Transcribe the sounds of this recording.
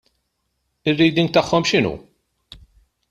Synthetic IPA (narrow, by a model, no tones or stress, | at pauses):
ɪrːiːd̪ɪŋɡt̪ɐħːɔmʃɪnṵː